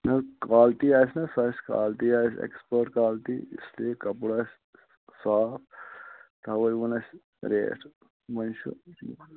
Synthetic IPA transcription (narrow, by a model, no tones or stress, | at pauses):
nɐkaːlt̪iːaːsnɐsɐsʲka̰ːlt̪iːaːsḛkspɐɾʈkaːlt̪ḭislikɐpuɽɐs | saːpʰt̪aʋɐjʋunɐs | ɾḛːʈʰ | mɐnʃṵ